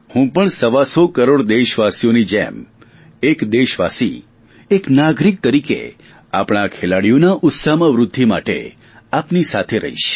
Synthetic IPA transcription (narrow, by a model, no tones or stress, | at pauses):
hũpəɳsəʋasokəɾoɽd̪eʃʋasijonid͡ʒḛm | ekd̪eʃʋa̰sḭ | eknaɡɾik̚t̪əɾikḛ | a̰pɽ̃akʰelaɽijonaʔʊt̪samãʋɾʊd̪ʱːima̰ʈḛ | apnisat̪ʰeɾə̰ɦḭʃ